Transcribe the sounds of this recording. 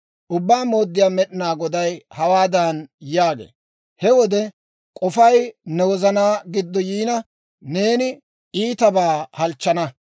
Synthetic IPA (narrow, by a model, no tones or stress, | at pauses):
ʔʊbːaːmo̞ːd̪ːɪjaːmɛɗɪnaːɡɔd̪ɐjhɐwaːd̪ɐnjaːɡḛː | hɛwɔd̪ɛ | kʼɔfɐjnɛwɔzɐnaːɡɪd̪ːɔjiːnɐ | ne̞ːnɪ | iːt̪ɐbaːhɐlt͡ʃːɐnɐ